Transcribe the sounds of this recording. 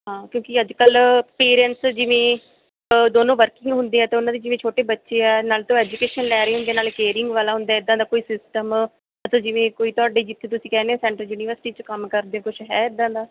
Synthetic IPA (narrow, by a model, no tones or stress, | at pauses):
ɦãːkjõːkɪəd͡ʒkəlpeːɾɛ̃ɳʈsd͡ʒɪʋẽː | d̪oːnõːʋəɾkɪ̃ŋɡɦʊnd̪eːɛːt̪eːʊnãːd̪eːd͡ʒɪʋẽːt͡ʃʰoːʈeːbətːʃeːɛːnaːlt̪õːɛːd͡ʒukeːʃənlɛːɾeːɦʊ̃nd̪eːnaːlkeːɾɪŋɡʋaːlaːɦʊ̃nd̪aːɪd̪ːãːd̪aːkoːiːsɪsʈəm | ət̪õːd͡ʒɪʋẽːkoːiːt̪ʊaːɖeːd͡ʒɪt̪ʰːeːt̪ʊsĩːkɛːneːɛːsɛ̃ːɳʈəljuːniːʋəɾsɪʈiːt͡ʃkəmkəɾd̪ẽːkʊt͡ʃʰɦɛːɪd̪ãːd̪aː